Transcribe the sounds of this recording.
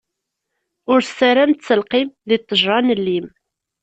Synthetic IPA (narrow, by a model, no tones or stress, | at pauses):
ʊɾæɾænt͡sːəlqimðit̪ˤːəʒɾɑnəlːim